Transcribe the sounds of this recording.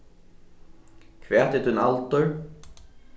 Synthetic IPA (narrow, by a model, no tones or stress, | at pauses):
kʰvɛːt̪ɪt̪ʰunalt̪ʏɾ